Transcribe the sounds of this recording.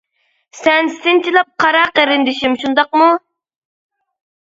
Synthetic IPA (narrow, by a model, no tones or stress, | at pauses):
sɛnst̪ɪnt͡ʃʰilˠɑp̚qʰɑɾɑqəɾɪnd̪ɪʃimʃund̪ɑqmu